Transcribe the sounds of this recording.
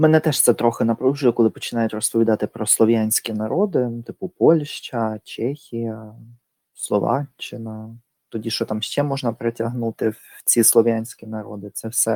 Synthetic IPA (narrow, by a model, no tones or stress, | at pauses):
mɛnɛt̪ɛʃt̪sɛt̪ɾɔxɪnɐpɾuʒʊjɛkɔlˠɪpɔt͡ʃɪnɑjʊtʲrɔspɔʋʲid̪ɑt̪ɪpɾɔslˠɔʋʲjanʲsʲkʲinɐɾɔd̪ɪt̪ɪpʊpɔlʲʃt͡ʃɐt͡ʃɛxʲijɐ | slˠɔ̰ʋɑ̰t͡ʃːɪnɐ | t̪ɔdʲiʃt͡ʃɔt̪ɑmʃt͡ʃɛmɔʒnɐpɾetʲɐɦnut̪ɪwt͡sʲislˠɔʋʲjanʲsʲkʲinɐɾɔ̰d̪ɪt̪sɛwsɛ